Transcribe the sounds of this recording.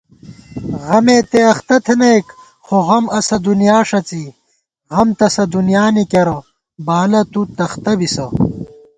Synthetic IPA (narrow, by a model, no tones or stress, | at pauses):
ʁɐmeːt̪eɐxt̪ɐt̪ʰenɐek | xoɣɐmɐsɐd̪unjaːʂɐt͡si | ɣɐmt̪ɐsɐd̪unjaːnikɐɾɐ | baːlɐt̪ut̪ɐxt̪ɐbisɐ